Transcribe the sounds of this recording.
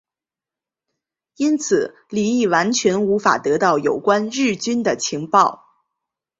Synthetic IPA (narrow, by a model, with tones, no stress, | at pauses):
i˥nt͡sʰɹ̩˨˩ | li˨˩i˥˩wa˧˥nt͡ɕʰɥɛ˧˥nu˧˥fa̰˨˩t̪ɤ˧˥t̪ɑ˥˩ʊjo˨˩ʊkwa˥nɻɻ̩˥˩t͡ɕy˥nd̪ə˨t͡ɕʰi˧˥ŋpɑ˥˩ʊ